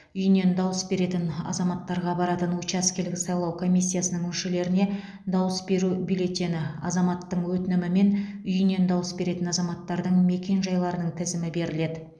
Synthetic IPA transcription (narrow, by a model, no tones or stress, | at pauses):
ʏjɪne̞nd̪ɑwəsbe̞ɾe̞t̪ɪnɑ̰zɑmɑt̪ːɑɾʁɑbɑɾɑt̪ənwot͡ʃɑskʲʰe̞lɡʲɪsɑjlˠɑwkʰo̞mʲijsʲːijasənəɴʏnʃele̞ɾɪne̞ | d̪ɑwəsbe̞ɾubijle̞t̪ːe̞nɪɑ̰zɑmɑt̪ːəɴwɵt̪ɪnɪmɪme̞nʏjɪne̞nd̪ɑwəsbe̞ɾe̞t̪ɪnɑzɑmɑt̪ːɑɾd̪əɴme̞kʲe̞nʒɑjlˠɑɾənəɴt̪ʰɪzɪmɪbe̞ɾɪle̞d̪ɪ